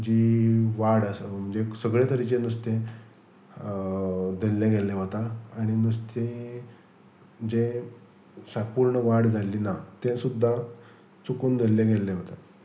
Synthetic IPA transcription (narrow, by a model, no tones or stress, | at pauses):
d͡ʑiʋaɽəsəm̤əɳd͡zesəɡɭet̪əɾit͡ɕenust̪ẽ | d̪ʱəlːeɡelːẽɦot̪aːɽ̃inust̪e | d͡ʑe | sapuɾɳəʋaɽd͡zʱaliːnat̪ẽsud̪ʱːa | t͡sukund̪ʱəlːẽɡelːẽɦot̪a